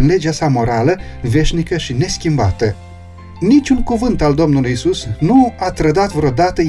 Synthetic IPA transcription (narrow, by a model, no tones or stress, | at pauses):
nle̞d͡ʒeasamo̞ɾaləve̞ʃnikəʃine̞skʲimbat̪ə | nit͡ʃʲuŋkuvɨnt̪ald̪o̞mnulujisusnuat̪ɾəd̪at̪vɾeo̞d̪at̪ə